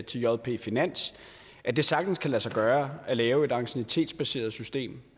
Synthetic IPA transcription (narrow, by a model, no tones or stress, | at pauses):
t͡sʰe̝ljɒðˠpʰe̝̰finæn̰s | ʔæd̥e̝sɑ̈ɡ̥d̥n̩skʰælæsɑ̈ɪɡ̥ɶːɐælɛːʊe̝dɑ̈ɡ̥senit͡sʰe̝̰ːd̥sb̥æse̝̰ːɐð̞̩ˠsysd̥e̝̰ːm